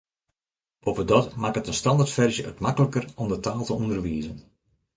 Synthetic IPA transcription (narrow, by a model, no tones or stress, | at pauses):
opʋədɔtmakətənstɑndartfɛrzjəə̰tmakələkərɔmdətaːlˠtəundərʋiəzən